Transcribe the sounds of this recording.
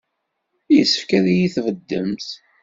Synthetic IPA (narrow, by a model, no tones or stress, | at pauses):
jəsːə̥fkæðijiθvəd̪ːəmt̪